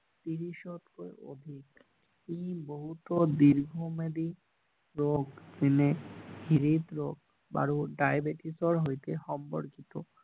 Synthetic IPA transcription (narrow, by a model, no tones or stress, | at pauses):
t̪iɾiʃot̪koeo̰d̪ʱik | kiboɦut̪od̪iɾɡʱomed̪i | ɾoɡtineɦiɾit̪ɾoɡ̚ | ba̰ɾuɖajbeʈisoɾɦojt̪eʃɔmpoɾkit̪o